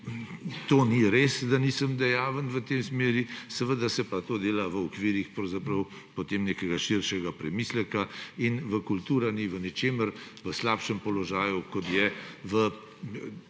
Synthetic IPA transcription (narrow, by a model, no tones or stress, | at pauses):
t̪oniɾeːsd̪anisəmd̪ɛjaːʋənʋət̪emsmeːɾisɛʋəd̪asɛpat̪oːd̪eːlaʋəɔkʋiɾixpɾɐwzapɾɐw | pot̪eːmneːkɛɡaʃiɾʃɛɡapɾɛmislɛkainʋəkult̪uːɾaniʋənɛt͡ʃeːməɾʋəslapʃɛmpɔlɔʒaːjukɔt̪jɛʋə